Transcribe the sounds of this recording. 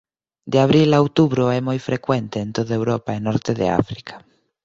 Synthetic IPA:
d̪eaβ̞ɾilawt̪uβɾoɛmojfɾekwent̪eːnt̪oðaewɾopaenɔɾt̪eðḛa̰fɾikʰḁ

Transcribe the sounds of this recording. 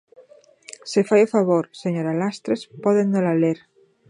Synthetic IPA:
sefajofaβoɾseɲoɾalast̪ɾespoðennolaleɾ

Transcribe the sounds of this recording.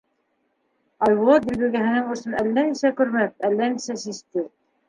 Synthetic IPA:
ɑjod̪ilbɘɡæɦɘ̆nɘŋŏsɤnælːænisækʉɾmæk̚ælːænisæsist̪ɘ

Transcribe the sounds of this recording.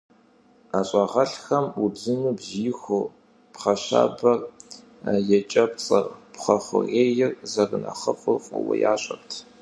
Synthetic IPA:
aːɕʼɑʁɐɬxɐmubzɨnuːbziːxʷʊ | pχɐɕa̰ːbɐr | jɛt͡ʃʼɐpt͡sʼɐrpχɐχʷʊreːjɪrzɐrɨnɐ̰χɐfʷʼʊrχʷʼʊwɐ̰jaːɕʼɐrtʰ

